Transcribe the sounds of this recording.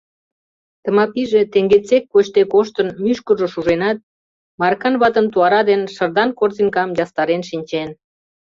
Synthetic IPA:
t̪ə̆mɑpiʒet̪eŋɡet͡sekːot͡ɕt̪ekoʃt̪ənmyʃkəʒoʃuʒenɑt̪̚ | mɑrkɑnβɑt̪ənt̪uɑɾɑd̪enʃə̆rd̪ɑnkorziŋkɑmjɑst̪ɑɾenʃinʲt͡ɕen

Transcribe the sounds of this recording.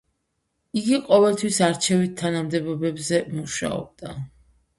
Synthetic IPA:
iɡiqʼɔvɛlˠt̪ʰwisaɾt͡ʃʰɛvit̪ʰːanamd̪ɛbɔbɛbzɛmuʃa̰ɔ̰b̚d̪a

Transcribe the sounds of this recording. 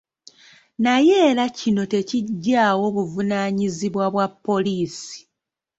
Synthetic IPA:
naje̞ːɾacino̞te̞ciɟːaːwo̞βuvunaːɲiziβwaβwapːo̞liːsi̥

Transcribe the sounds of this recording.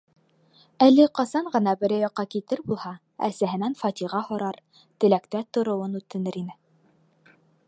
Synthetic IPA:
ælɘqɑsɑɴɢɤ̆nɑbɘ̆ɾæjɑqːɑkit̪ɘɾbulˠhɑ | æ̰sæɦɘ̆nænfɑt̪ʲiʁɑhŏɾɑɾ | t̪ɘ̆lækt̪æt̪ŏɾŏwɤnʉt̪ːɘ̆nɘɾinɘ

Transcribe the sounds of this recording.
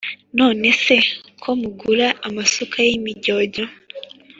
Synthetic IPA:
noːnesekʰomuɡuɾaʔamasukʰajemiɟoɟo

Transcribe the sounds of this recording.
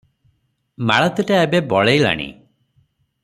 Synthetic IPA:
maɭɔt̪eʈaebebɔɭejla̰ɽ̃ḭ

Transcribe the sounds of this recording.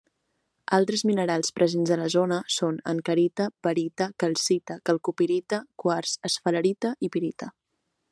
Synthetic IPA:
alˠt̪ɾəzminəɾalˠspɾʔəzenzðələzonəsonə̰ŋkəɾit̪əpəɾit̪əkəlˠsit̪əkəlˠkupiɾit̪əkwaɾsəsfələɾit̪əʔipiɾit̪ə

